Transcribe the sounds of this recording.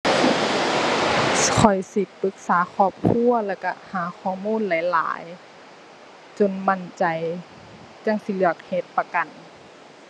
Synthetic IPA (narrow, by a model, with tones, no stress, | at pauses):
kʰɔ˨˩jsi˧˦k̚pɯ˧˦k̚saː˨˦kʰɔː˧˩p̚kʰu˧˥˨ɐlɛː˧˩wka˧˩haː˨˩˦xʰɔː˧˩˨muː˧˥˨nla˨˦jla̰ː˨˦j | t͡ɕo˧˨nma˧˥˨nt͡ɕa˨˩j | t͡ɕa˧˨ŋsi˧˦lɯ˧˩ɐk̚he˧˦t̪̚pa˧ka˨n